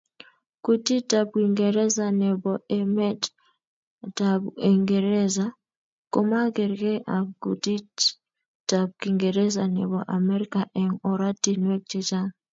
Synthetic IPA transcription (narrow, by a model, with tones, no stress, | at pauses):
ku˨ti˦ta˨b̚ki˨ŋɡe˨ɾɛ˦za˨nɛ˨bɔ˨ɛ˦mɛ˦t | ta˨be˨ŋɡe˨ɾɛ˦za˦ | ko˦ma˦ɡɛ˨ɾkɛ˦ʔa˨ku˨ti˦ | ta˨p̚ki˨ŋɡe˨ɾɛ˦za˨nɛ̰˨bɔ˨ʔa˨mɛ˦ɾi˦ka˨ʔɛ˨ŋɔ˨ɾa˦ti˦nwɛ˦k̚t͡ʃɛ˦t͡ʃa˦